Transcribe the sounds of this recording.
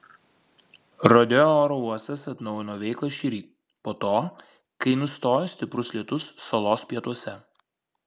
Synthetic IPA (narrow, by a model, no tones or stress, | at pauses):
ɾoːd̪ʲɛoːɾoːuɔst̪ɐsɐt̪nɒʊjɪnoːʋʲɛɪklˠɐʃʲiɾʲiː | poːt̪oː | kɐɪnʊst̪oːjoːsʲt̪ʲɪpɾʊslʲiɛt̪ʊsːolˠoːspʲiɛt̪uɔsʲɛ